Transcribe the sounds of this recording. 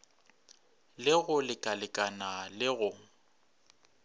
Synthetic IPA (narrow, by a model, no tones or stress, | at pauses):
lɪɣʊlɪkʼalɪkʼanalɪɣʊ